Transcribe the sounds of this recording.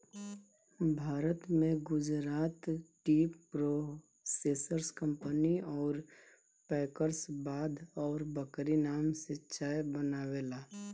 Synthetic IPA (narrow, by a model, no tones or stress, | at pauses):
bʱaːɾət̪mẽɡʊd͡ʒɾaːt̪ʈiːpɾo | seːsəɾskə̃mpəniɔːɾ | pɛːkəɾsbaːd̪ɔːɾbəkɾinaːmsɪtːʃʰaːjbənaːwelaː